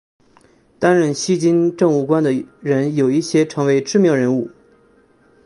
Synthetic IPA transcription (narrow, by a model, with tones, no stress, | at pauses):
t̪a˥nɻə˥˩nɕi˥t͡ɕi˥nʈ͡ʂɤ˥˧ŋu˥˩kwa˥nd̪ə˨ɻə˧˥njo˨˩ʊi˥˩ɕjɛ˥ʈ͡ʂʰɤ˧˥ŋwe˧˥ɪʈ͡ʂɻ̩˥˧mjɑ˥˩ʊɻə˧˥nu˥˩